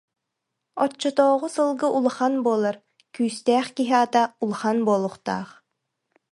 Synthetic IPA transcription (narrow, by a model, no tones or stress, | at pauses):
ɔt͡ɕːɔt̪ɔːʁusɯlˠɡɯʔulˠχanbuɔlˠaɾ | kyːst̪ɛːχkiɦiat̪aulˠχanbuɔːlˠuχt̪a̰ːχ